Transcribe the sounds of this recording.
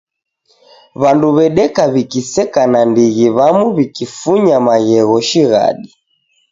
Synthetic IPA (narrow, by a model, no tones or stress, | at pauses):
βanduβɛɗɛkaβikisɛkanandiɣiβamuβikifuɲamaɣɛɣɔʃiɣa̰ɗi